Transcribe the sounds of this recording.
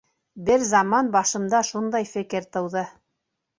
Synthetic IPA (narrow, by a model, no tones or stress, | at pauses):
bɘɾzɑmɑnbɑʃɤ̆md̪ɑʃund̪ɑjfɘ̆kɘɾt̪ɤ̆wðɤ